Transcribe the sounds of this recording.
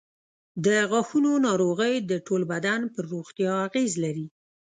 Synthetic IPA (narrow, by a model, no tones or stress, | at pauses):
d̪əɣɑxunonɑɾoɣəjd̪əʈolbad̪anpəɾːoɣt̪jɑaɣezlaɾi